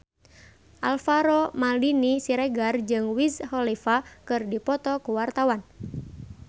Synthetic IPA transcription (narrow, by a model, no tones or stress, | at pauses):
ʔalfaɾɔmalinisiɾɛɡard͡ʒɨŋwishɔlifakɨrdipɔt̪ɔkuwart̪awan